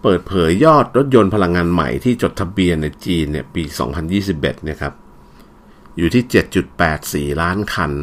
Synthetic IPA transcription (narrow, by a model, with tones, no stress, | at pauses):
pɤː˨˩t̪̚pʰɤː˩˦jːɔː˥˩t̪̚ɾo˦˥t̪̚jo˧npʰa˧la˧ŋːaː˧nma̰˨˩jt̪ʰiː˥˩t͡ɕo˨˩t̪ʰːa˧bi˧ənːa˧jt͡ɕiː˧nːi˥˩ɐpiː˧sɔ̰ː˩˦ŋpʰa˧njiː˥˩si˨˩p̚ʔḛ˨˩t̪̚ni˥˩ɐkʰa˦˥p̚ | juː˨˩t̪ʰiː˥˩t͡ɕe˨˩t̪̚t͡ɕu˨˩t̪̚pɛː˨˩t̪̚siː˨˩laː˦˥nkʰa˧n